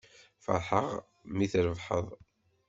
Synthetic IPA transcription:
fɑ̰ɾˤħə̰ʁ | miθɾəvħə̰ðˤ

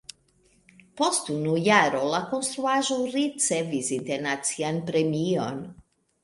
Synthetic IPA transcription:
post̪unujaɾolakonst̪ɾuaʒowrit̪sɛvizint̪ɛɾnat̪sianpɾemion

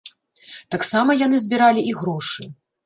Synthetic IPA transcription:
t̪aksamɐjanɨzʲbʲiɾalʲiʔiɣɾɔʂɨ

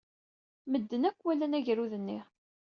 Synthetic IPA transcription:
məd̪ːənækʷːwælːænæʝɾuðənːi

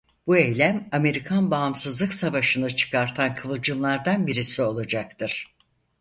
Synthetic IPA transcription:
b̥uejlʲæmame̞ɾikʰanbaːmsɯzlˠɯksavaʃɯnɯt͡ʃʰɯ̥kʰaɾt̪ʰankʰɯlˠɯd͡ʒɯnlˠaɾd̪anbiɾisio̞lˠad͡ʒak̚t̪ʰɯɾ̥

